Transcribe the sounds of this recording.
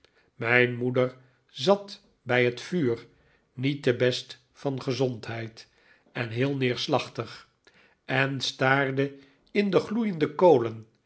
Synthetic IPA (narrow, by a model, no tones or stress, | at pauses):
mɛjnmudəɹ | zɑt | bɛjɦətfyːr | nitdəbɛst | fɑnχəzɔntɦɛjt | ɛnɦɪːlˠnɪːɹslɑχtəχ | ɛnstaːɹdə | ɪndəχlujəndəkowlən